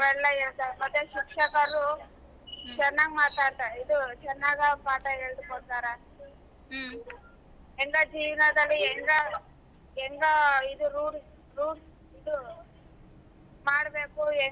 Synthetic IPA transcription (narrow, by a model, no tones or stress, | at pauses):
ʋɛlːɐɦɛɭt̪aːɾmɐt̪ːjeʃikʂɐkɐɾɾu | t͡ʃɛnːaːɡmaːt̪aːɽt̪aːɾeid̪ut͡ʃɛnːaːɡɐpaːʈɐɦeːɭd̪ukɔɽt̪aːɾe | ɛŋɡad͡ʒiːʋnɐd̪ɐlːiɛŋɡa | ɛŋɡɐid̪uɾuːɾ | ɾuːɾ | id̪u | maːɽbeːkuɛ